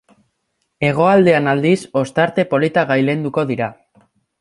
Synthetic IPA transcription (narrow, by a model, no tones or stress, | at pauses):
e̞ɣ̞o̞ald̪e̞anald̪iso̞st̪aɾt̪e̞po̞lit̪aɣajle̞nd̪uko̞ðiɾa